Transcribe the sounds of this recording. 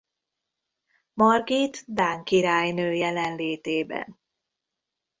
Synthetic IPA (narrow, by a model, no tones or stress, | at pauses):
mɒrɡit̪d̪aːŋkiɾaːjnøːjɛlɛnleːt̪eːbɛ̰n